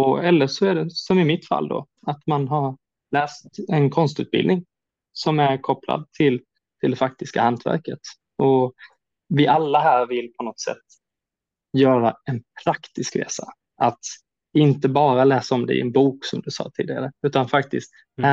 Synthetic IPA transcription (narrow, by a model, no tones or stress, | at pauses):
ɔɛlːəʂɔæɖɛsɔmɪmɪt̪fa̰lːd̪ɔ̰ | at̪manɦaɾ | lɛːst̪ɛnkʰɔnst̪ʉ̟ːt̪̚bɪ̰lnɪŋ | sɔmæɾkʰɔpːla̰d̪̚t̪ʰɪl | t̪ʰɪld̪ɛfak̚t̪ɪskahant̪ʰvæ̰ɾkət̪ | ʔɔ | vɪʔalːaɦæːɾvɪlːpʰɔnɔt̪sɛ̰t̪ː | jœːɾaɛnpʰɾakt̪ɪskɾḛːsa̰ | at̪ | ɪnt̪əbɑːɾalɛːsaɔmd̪ɛ̰ɪ̰ɛ̰nbuːksɔmd̪ɵsɑ̰ːt̪ʰiːd̪ɪɡa̰ɾəʉ̟ːt̪anfakt̪ɪst̪ | æ